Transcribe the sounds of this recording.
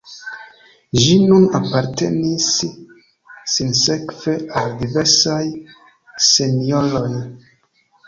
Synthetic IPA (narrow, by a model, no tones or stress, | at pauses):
ʒinunapaɾte̞̰nis | inse̞kveʔaldive̞ɾsaj | se̞nioɾoj